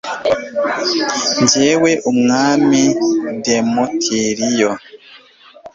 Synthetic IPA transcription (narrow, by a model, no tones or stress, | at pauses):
nd͡ʒɛwɛʔumŋamidɛmɔtʰeɾijɔ